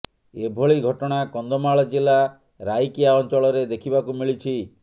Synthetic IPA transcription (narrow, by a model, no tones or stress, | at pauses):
ebʱoɭiɡʱɔʈɔɽ̃akɔnd̪ɔmaɭɔd͡ʒila | ɾajkiaɔnt͡ʃɔɭɔɾed̪ekʰibakumiɭit͡ʃʰi